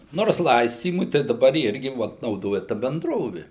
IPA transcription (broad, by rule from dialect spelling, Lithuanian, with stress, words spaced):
ˈnoːrs ˈlˠɐɪsʲtʲiːmʊɪ tɐɪ dɐˈbɐr ˈɪrʲɡʲɪ ˈʋoːt nɐʊˈdoːjɛ ˈtɐ bʲɛnˈdroːʋʲɪ